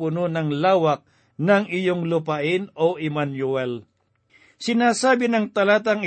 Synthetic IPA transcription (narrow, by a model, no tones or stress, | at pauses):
pʊnonɐŋlaːwɐk̚ | nɐŋɪjoŋlʊpaʔɪnoʔɪmanjuɛl | sɪnaːsaːbɪnɐŋt̪ɐlaːt̪ɐŋɪ